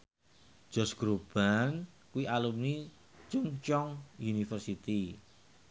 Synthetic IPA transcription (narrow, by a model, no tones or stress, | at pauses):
d͡ʒ̥ɔsɡ̥ɾob̥an | kuwialumni | t͡ʃumt͡ʃɔŋjunifərsit̪i